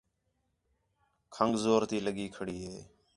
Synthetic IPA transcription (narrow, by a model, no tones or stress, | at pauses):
kʰəŋɡzoːɾt̪iːləɠiːkʰəɽiːɦeː